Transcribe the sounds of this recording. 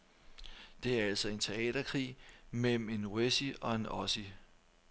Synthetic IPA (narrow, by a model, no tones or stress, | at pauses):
d̥e̝æɐæl̰sɒ̽e̝nt͡sʰe̝ɛ̰ːd̥ɐkʰʁḭːmel̰m̩e̝nesiɒ̽e̝nɒ̽si